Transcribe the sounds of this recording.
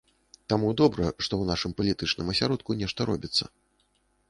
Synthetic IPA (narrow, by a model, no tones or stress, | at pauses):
t̪amud̪ɔbɾɐʂt̪ɔwnaʂɨmpɐlʲit̪ɨt͡ʂnɨmɐsʲaɾɔt̪̚kunʲɛʂt̪ɐɾɔ̰bʲit̪sːɐ̰